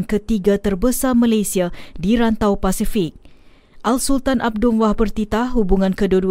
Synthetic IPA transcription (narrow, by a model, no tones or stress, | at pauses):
nkət̪iɡat̪ərbəsamãlajsiadiɾant̪awpasifɪk̚ | ʔalsult̪anʔab̚dʊmwahbərt̪it̪aɦubuŋãnkədudu